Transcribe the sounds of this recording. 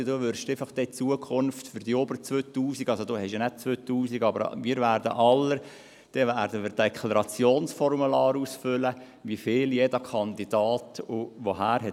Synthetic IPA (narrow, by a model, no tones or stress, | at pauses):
doːʋʏrʃd̥eɪfɑχd̥ɛt͡suəkʰʊnftfyɾd̥iobəɾt͡sʋøːt̪uːsiɡɑlsod̪oːhɛʃənɛd̥̚t͡sʋøːt̪uːsiɡɑbəɾmiːɾʋæːɾdə̰ʔɑlːəɾ | d̥ɛʋæːɾdəmiːɾdekʰlɑɾɑt͡sjoːnsfɔrmulɑːɾuːsfʏlə | ʋifɪːljedəkʰɑnd̪id̥ɑːtʊʋoɦæːɾɦɛ